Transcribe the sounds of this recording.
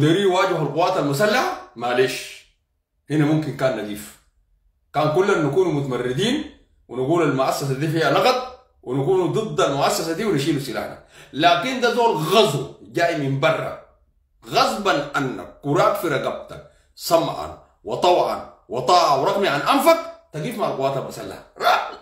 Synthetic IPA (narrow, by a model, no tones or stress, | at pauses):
d̪aɾiːwaːɟihalquwːaːt̪almus̬alːaħamaleːʃ | hinamumkinkaːnːaɡ̪iːf | kaːnkulːanːakuːnumut̪amarːid̪iːn | winaɡuːlalmʊʔasːas̬ad̪iːfihalɑɣɑt̪̚ˤ | winakuːnud̪ˤɨd̪ˤːalmʊʔasːasad̪iːwinaʃ̬iːlusila̰ːħna̰laːkind̪azoːlɣɑzˤbɟaːʔmimbɑrˤːɑ̰ | ɣɑzˤbanʔanːa̰kːuɾˤaːkfiɾˤɑɡab̚t̪a̰n | sɑmːʕa̰n | wɑt̪ˤɑwʕa̰n | wɑt̪ˤɑːʕawɾˤɑɡmiʕanʔamfak̚t̪aɡiːfmaʕalquwaːt̪albasa̰lːa̰hɾˤɑːħ